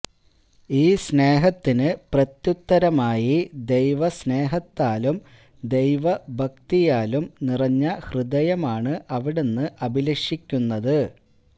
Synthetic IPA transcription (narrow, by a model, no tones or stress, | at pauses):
iːsne̞ːɦɐt̪ːinɨprɐt̪jut̪ːɐɾɐmaːjid̪e̞jʋɐsne̞ːɦɐt̪ːaːlum | d̪e̞jʋɐbʱɐkt̪ijaːlumnirɐɲːɐhrɨd̪ɐjɐmaːɳɨʔɐʋiɽe̞nːɨʔɐbʱilɐʂikʲːunːɐðɨ